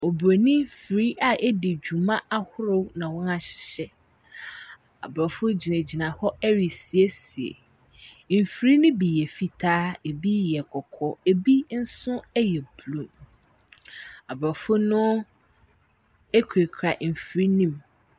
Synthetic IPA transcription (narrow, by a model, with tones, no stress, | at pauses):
o˨bɾo˨nĩ˦fɾi˦ʔa˨ʔɛ˦dɪ˨d͡ʑᶣu˨mã˦ʔa˦hʊ˦ɾo˦nã˨wɔ̃˦na˨ɕɪ̥˨ɕɛ˦ | a̰˨bɾɔ˨fʊ˦d͡ʑi˨nẽ˨d͡ʑi˨nã˨hɔ˦ɛ˦ɥi˨si˨e˦si˨ḛ˨ | m̩˨fɾi˦nʊ̃˦bi˨jɛ˨fi˨tʰaː˦e˨bi˦jɛ˨kʰɔ˨kʰɔ˨e˨bi˦n̩˦sʊ̃˦ɛ˦jɛ˨blũ˨m | a˨bɾɔ˨fʊ˦nʊ̃˦ | e˦kʰe˨kʰɾa˨m̩˨fi˨ɾi˦nĩ˦m